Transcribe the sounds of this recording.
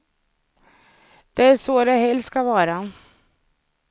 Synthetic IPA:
d̪̥ɛæʂoːd̪ɛɦɛlsskavɑːɾa

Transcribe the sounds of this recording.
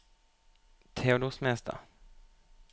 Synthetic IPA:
t̪ʰeːʊd̪ʊsmɛst̪ʰa̰

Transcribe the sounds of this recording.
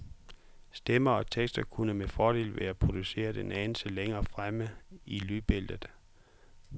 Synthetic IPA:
sd̥emɐɒ̽t͡sʰeɡ̥sd̥ɐkʰunəmefɒːɾe̝̰ːlʋeæpʰʁo̝d̥use̝̰ːɐd̥enɛn̩seleŋɐːfʁaməilyb̥e̝ld̥ð̩ˠ

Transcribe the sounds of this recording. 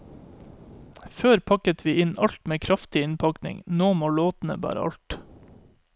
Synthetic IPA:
føːɾpʰɑkət̪ʰʋiːɪnɑʎt̪meːkʰɾɑft̪ɪɪnpʰɑknɪ̰ŋnoːmoːloːt̪n̩ə̰bɑ̰ːɾə̰ɑ̰lt̪

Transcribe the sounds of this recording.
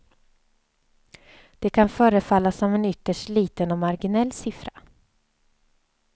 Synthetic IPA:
d̪̥ɛkʰanfœːɾəfalːasɔmɛnʏt̪ːəʂʈliːt̪ənɔmaɾɡɪnɛlːsɪfɾa

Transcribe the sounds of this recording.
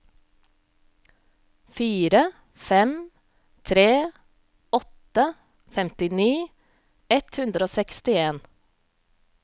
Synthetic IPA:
fiːɾə | fɛm | t̪ʰɾeː | ɔt̪ə | fɛmt̪ɪniː | ɛt̪hʉnd̪ɾoːsɛkst̪ɪeːn

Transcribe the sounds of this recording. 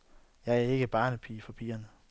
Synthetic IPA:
jɑ̈ɪæɐe̝ɡ̥əb̥ɑ̈ːnəpʰḭːfɒ̽pʰiːɐnə

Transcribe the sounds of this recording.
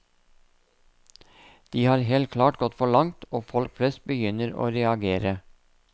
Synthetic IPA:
d̪̥iːhɑːɾɦeːlt̪̚kʰlɑːʈɡɔt̪fɔɭɑŋt̪ʰoːfɔlkflɛst̪̚bəjʏnəɾo̰ːɾɛɑɡeːɾə

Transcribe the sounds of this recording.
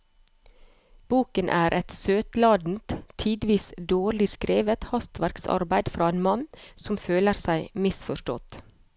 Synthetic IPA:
b̥uːkənʔæːɾʔɛt̪søːt̪lɑːd̪n̩t̪t̪ʰiːd̪ʋiːsd̪oːɾɭɪskɾeːʋət̪hɑst̪ʋæɾksɑ̰ɾbæɪd̪fɾɑːeːnmɑnsɔmføːləɾsæɪmɪsfɔʃʈɔ̰t̪

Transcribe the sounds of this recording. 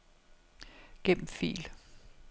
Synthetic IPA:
ɡ̥em̰m̩fḭːl

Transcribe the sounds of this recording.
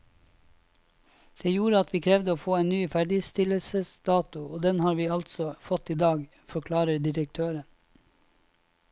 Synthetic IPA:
d̪̥eːjuːɾəɑt̪ʰʋiːkʰɾɛʋd̪əoːfoːeɪnnyːfæɖɪst̪ɪləsəsd̪ɑːt̪ʊoːd̪ɛnhɑːɾʋiːɑlt̪sɔfɔt̪iːd̪ɑːɡ | fɔkʰlɑːɾəɖ̪ɪɾək̚t̪ʰøːɾən

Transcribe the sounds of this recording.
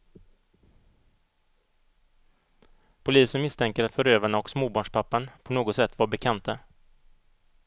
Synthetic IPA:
pʰʊliːsənmɪst̪ʰɛŋkəɾat̪fœɾøːvaɳaɔksmoːbɑːɳʂpʰapːanpʰɔnoːɡɔt̪sɛt̪ːvaɾbɛkʰant̪a

